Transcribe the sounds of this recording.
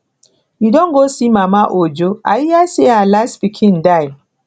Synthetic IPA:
jidɔ̃nɡosimamaʔod͡ʒoa̰jijasealastpikʰĩndaj

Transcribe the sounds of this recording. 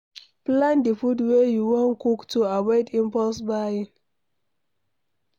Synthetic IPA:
plãndifudwejuwɔ̃nkuktuawɔɪdĩmpɔlsbain

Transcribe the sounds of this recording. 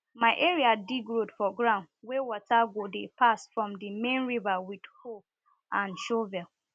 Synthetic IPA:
maɪʔeɹiadiɡɹodfɔɡɹãʊ̃ndwewɔtaɡodepʰasfɹɔ̃mdimẽnɹivawid̥ho | ʔãnʃovɛl

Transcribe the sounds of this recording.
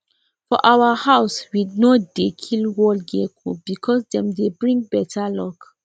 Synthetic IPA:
fɔʔawahawswinodekʰilwɔlɡekʰub̥ikʰɔsdɛ̃mdebɹĩŋ̚bɛtʰalɔk

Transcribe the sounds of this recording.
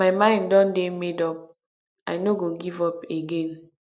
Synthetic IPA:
maɪmãɪ̃ndɔ̃ndemedɔp̚ | ʔajnoɡoɡivɔpeɡẽn

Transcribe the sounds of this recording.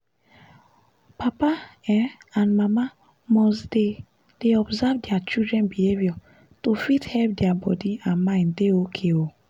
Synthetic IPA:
papaɛãnmama | mɔsde | d̥eɔbzavdjat͡ʃidɾɛ̃nbihevjɔ | tofithɛlp̚djabɔ̰diãnmãɪ̃ndeokʰeo

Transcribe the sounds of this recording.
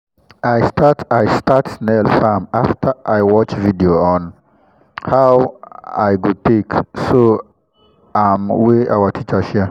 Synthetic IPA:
ajstʰatajstatsnɛlfamaftʰəʔajwɔt͡ʃvidioɔ̃n | hawa̰jɡutekso | amweʔa̰watʰit͡ʃəʃɛ

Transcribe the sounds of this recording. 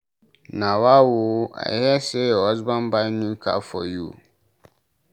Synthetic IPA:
nãwawoa̰jɛseɔzbãnbaɪnũka̰fɔ̰jṵ

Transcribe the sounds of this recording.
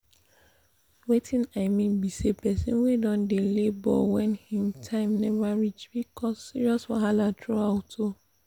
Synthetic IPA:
wetʰĩnaɪmĩnbisepɛsĩnwedɔ̃ndelebɔ̰wɛ̃nhĩmtʰãɪ̃mnɛvaɹit͡ʃbikʰɔsːiɹiɔswɔɦalatʰɹoaʊtʰo

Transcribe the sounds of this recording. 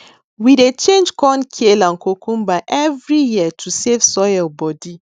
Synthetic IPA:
widet͡ʃẽnd͡ʒkɔ̃nkʰielãnkokũmbaɪʔɛvɹijiətʰusevsɔjalbɔdi

